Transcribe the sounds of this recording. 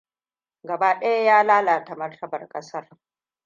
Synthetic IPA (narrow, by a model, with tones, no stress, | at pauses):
ɡɐ˨baː˦ɗɐ˦ja˦jaː˦laː˦laː˨ta˨mɐ˦rtʰɐ˦bɐ̰˨rkʼɐ˦sɐ˦r